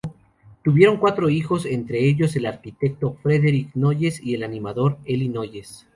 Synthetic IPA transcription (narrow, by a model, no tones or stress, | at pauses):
t̪uβje̞ɾoŋkwat̪ɾo̞ixo̞se̞nt̪ɾe̞eʝo̞se̞laɾkit̪e̞k̚t̪o̞fɾeðe̞ɾikno̞ʝe̞sie̞lanĩmaðo̞ɾelino̞ʝe̞s